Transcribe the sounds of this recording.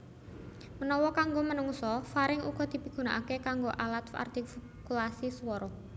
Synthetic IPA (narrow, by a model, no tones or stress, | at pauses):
mənɔwɔkaŋɡomənuŋsɔfaɾɪŋṵɡ̥ɔ̤d̪̥i̤piɡ̥ṳna̰ʔakekaŋɡoʔalat̪fa̰rt̪if | kulasiswɔɾɔ